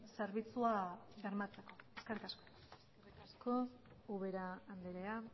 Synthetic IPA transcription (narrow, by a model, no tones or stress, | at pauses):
seɾβit͡suaɣeɾmat͡se̞ko̞eskerikasko | skerikasko̞ | uβeɾaːnd̪eɾea